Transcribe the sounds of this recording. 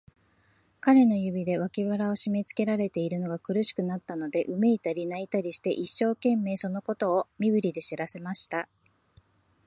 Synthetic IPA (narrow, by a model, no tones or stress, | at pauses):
kaɾe̞no̞jɯ̟bʲid̪e̞β̞akʲiβaɾao̞ɕime̞t͡sɨ̥ke̞ɾaɾe̞t̪e̞iɾɯ̟no̞ɡakɯ̟ɾɯ̟ɕi̥kɯ̟nat̪ːano̞d̪e̞ʔɯ̟me̞it̪aɾʲinait̪aɾʲiɕi̥t̪e̞ʔiɕːo̞ːkẽ̞mːe̞ːso̞no̞ko̞t̪o̞ːmʲiβɯ̟ɾʲid̪e̞ɕiɾase̞maɕi̥t̪a